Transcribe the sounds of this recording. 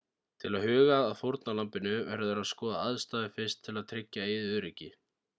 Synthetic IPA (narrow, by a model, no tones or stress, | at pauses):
t̪ʰɪlaðhʏːɣaːðfoɾt̪̚nalampɪnʏvɛ̰ɾðɛɾaðskɔːðaaðst̪aːðɪfɪ̥st̪ʰːɪlaðt̪ʰɾɪcːaejðʏɾɪcːɪ